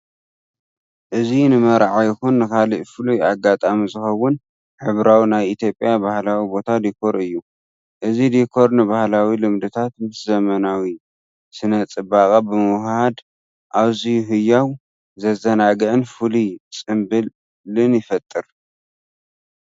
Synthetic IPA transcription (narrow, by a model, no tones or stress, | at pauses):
ʔɨzinɨmɐɾʕajɪxunːɨkʰaliʔfɨlujaɡat̪ʼamizɨxɐwʊn | ħɨβɾawinajit̪ʰjo̞pʼjabahlawibo̞t̪ʰad̪ikʰo̞ɾɨjːu | ʔɨzid̪ikʰːo̞ɾnɨbahlawilɨmd̪ɨt̪ʰat̪mɨszɐmɐnawi | sɨnɐt͡sʼɨbakʼabɨmɨwhhad̪ | ʔaβzijɦɨjːaw | zɐzɐnaɡɨʕɨnfɨlut͡sʼɨmbɨ | lɨnjɪfɐt̪ʼːɨɾ